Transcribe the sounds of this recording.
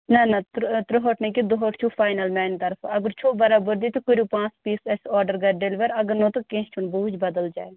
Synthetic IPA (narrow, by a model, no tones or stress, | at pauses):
nɐnɐt̪t̪ɾoɦoʈnekid̪oɦoːʈt͡ʃʰuːfʰaːjnəlmɛːnt̪ɐɾfʰɐɡəɾt͡ʃʰoːbɐɾaːbəɾd̪iːt̪ukʊɾuːpãːt͡ʃpiːsɛsɔːɖəɾɡɐɖelʋəɾɐɡəɾnõːt̪okẽːt͡ʃʰʊnbuːd͡ʒbəd̪əld͡ʒa̰ːe